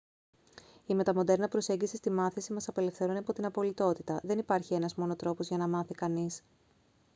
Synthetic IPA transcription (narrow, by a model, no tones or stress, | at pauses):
ime̞t̪ɐmo̞d̪e̞ɾnɐpɾo̞se̞ɲɟisist̪imɐθisimɐsɐpe̞le̞fθe̞ɾuniɐpo̞t̪inɐpo̞lit̪o̞t̪it̪ɐðe̞nipɐɾçie̞nɐzmo̞no̞t̪ɾo̞po̞zʝɐnɐmɐθikɐnis